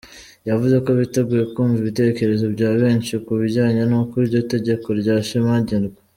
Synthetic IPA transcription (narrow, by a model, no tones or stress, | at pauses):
javuze̞ko̞βite̞ɡujekuːɱviβite̞ce̞ɾe̞zo̞bɟaːβe̞ːɲʃikuβiɟaːɲenukuɾiɾɟo̞te̞ɟe̞ko̞ɾɟaːʃimaɟenɡwe